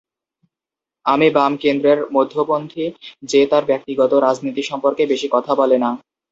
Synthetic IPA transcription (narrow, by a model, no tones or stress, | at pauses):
amibamkend̪ɾeɾmod̪ʱːobond̪ʰʱid͡ʑet̪aɾbɛk̚t̪iɡɔt̪oɾad͡ʑnit̪iʃɔmpoɾkebeʃikɔt̪ʰabɔlena